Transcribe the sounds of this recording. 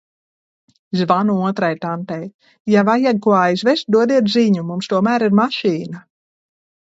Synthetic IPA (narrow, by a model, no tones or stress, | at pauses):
zvanuuɔt̪ɾajt̪ant̪ɛj | javajakuɔajzvɛst̪̚d̪uɔd̪iɛt̪ziɲumumst̪uɔmæːɾiɾmaʃiːna